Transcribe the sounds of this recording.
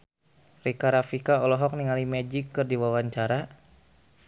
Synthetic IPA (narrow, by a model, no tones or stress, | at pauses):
rikaɾafikaɔlɔɦɔk̚niŋalimɛd͡ʒikːɨrdiwawaɲt͡ʃaɾa